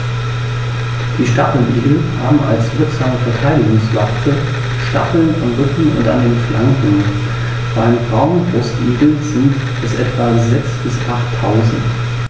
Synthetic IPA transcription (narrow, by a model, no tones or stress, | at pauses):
d̥iːʃtapl̩ʔiːɡl̩haːbm̩a̰lsv̥ɪɐkz̥aːməfɛɐtʰaɪdɪɡʊŋsla̰stʰə | ʃta̰fl̩namʁʏkŋ̩ʊ̰ntʔa̰ndeːnflʔaŋkŋ̩ŋ̩ | b̥aɪnfʁaʊnbʁʊstʔiːɡl̩zɪnt | b̥ɛsʔɛtv̥azɛksb̥ɪsʔaχtʰːaʊzn̩t